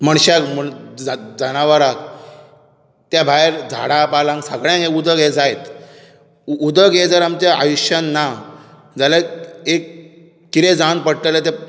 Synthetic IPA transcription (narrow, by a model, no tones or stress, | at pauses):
məɳ̃ɕakmu | d͡zənaʋəɾak | t̪jabʱajɾd͡zʱa̰ɽãpalãŋɡsəɡɭjãŋkekud̪əɡɦed͡zajt̪ | ud̪əɡed͡zəɾamt͡ɕaa̰juɕjanːa | d͡zalaekː | it̪ed͡zãnpəɽt̪elat̪e